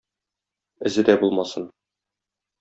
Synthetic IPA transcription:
ɘ̆zɘd̪æbulˠmɑsɤn

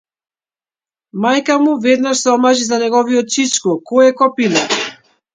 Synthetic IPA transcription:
majkamuvɛd̪naʃsɔmaʒizanɛɡɔviɔt̪̚t͡ʃit͡ʃkɔkɔjɛkɔpila

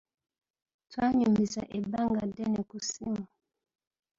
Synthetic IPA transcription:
twaɲumbisa̰ʔebaŋɡadɛnɛkusima

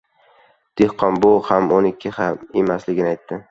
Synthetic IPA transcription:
d̪̥ehqʰɒnbʊhamonɪkʲʰːɪhamemaslɪɡʲɪnɪajt̪ʰːɪ

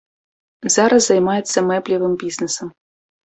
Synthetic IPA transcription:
zaɾɐzzɐjmajɛt̪sːɐmɛplʲivɨmbʲiznɛsɐm

